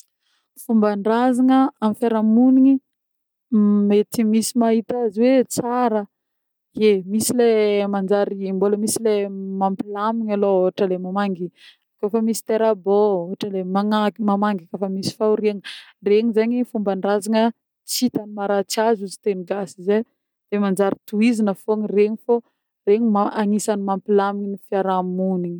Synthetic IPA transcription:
fumbaɳɖ͡ʐazaŋəamifaɾamuniɲi | met̪imisimaɦit̪aziwet͡saɾə | emisilemand͡ʒaɾimboləmisilemampilamiɲalooɦaʈ͡ʂəlemamaŋɡiakofəmisi̥t̪eɾabooɦaʈ͡ʂəlemaŋamamaŋɡakofəmisi̥fauɾiaŋəreɲizaɲifumbanrazaŋə | t͡sit̪animaɾat͡sazuzi̥t̪eniɡasize | d̪̥emand͡zaɾit̪uizinəfoŋireɲifo | reɲimaaŋisanimampilaminifiaɾamuniɲi

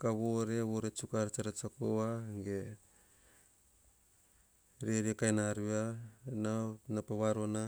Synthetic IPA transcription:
kaβoɾe̞βoɾet͡ʃukaɾt͡ʃaɾat͡ʃakoaɡe | ɾeɾiakajnaɾuananapaβaɾona

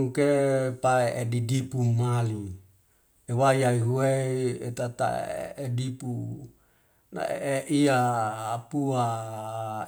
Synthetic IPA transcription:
kepaeedidipumali | ewajaiɦuweet̪at̪a̰ḛedipu | na̰eeʔiaːpua

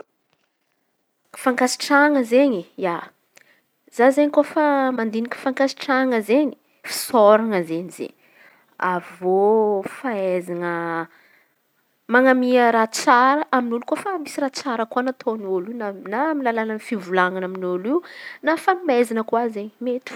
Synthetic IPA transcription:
kfaŋkasi̥ʈ͡ʂaŋəzeɲija | z̥azeɲikofamand̪iniki̥faŋkasi̥ʈ͡ʂaŋəzeɲi̥ | fi̥sɔɾaŋəzeɲiz̥ḛɲ | avofaezanə | maŋamiəɾat͡saɾəʔaminulukofəmisirat͡saɾəkuanat̪ʰonulinanamilalanənfivulaŋanaminuliwnafaimezanəkuazeɲimet̪u̥

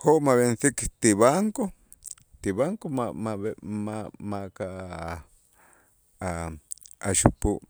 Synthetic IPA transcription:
hoʔmaβensikt̪iβaŋko | t̪iβaŋkomaaβmamaka | a | aʃupu

